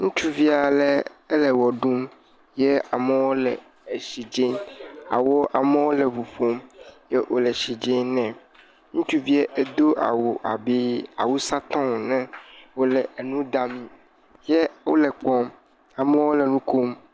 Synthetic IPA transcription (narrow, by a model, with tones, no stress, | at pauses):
ŋũ˦t͡ʃu˦vi˦a˨lɛ˦e˦lɛ˨wɔ˨ɖũ˦m | je˦a˨mẽ˦wo˦lɛ˨ | e˨ʃi˨d͡ʒe˦a̰˨wo˦a˨mɛ̃˦wo˦lɛ˨vu˨ɸo˦mje˦wʔo˨lɛ˨ʃi˨d͡ʒe˦nɛ̃˨ | ŋũ˦t͡ʃu˦vi˦e˦ʔe˦d̪o˦ʔa̰˨wo˨ʔa̰˨bi˦a˨wu˦sa˦t̪ɔ̃˦˨nɛ̃˦wo˦lɛ˨nũ˦d̪a˦mĩ˨ | je˦wo̰˦lɛ˨k͡pɔ̃˦m | a˨me˦wo˦lɛ˨nũ˦ko˦m